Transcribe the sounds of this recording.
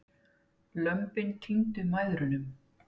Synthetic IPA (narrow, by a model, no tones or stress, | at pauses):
lœmpɪncʰiŋt̪ʏmaːjðɾʏnʏm